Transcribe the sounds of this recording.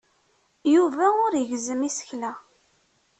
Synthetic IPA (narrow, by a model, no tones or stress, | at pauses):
juvæʊɾjəʝzəmisə̥çlæ